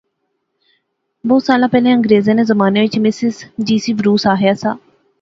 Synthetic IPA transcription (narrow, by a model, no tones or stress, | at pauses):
bɔːt̪saːlãːpɛːlẽːə̃ŋɡɾeːzẽːneːzəmaːneːʋɪt͡ʃmɪsɪzd͡ʒiːsiːʋɾuːsaːɦɪjaːsaː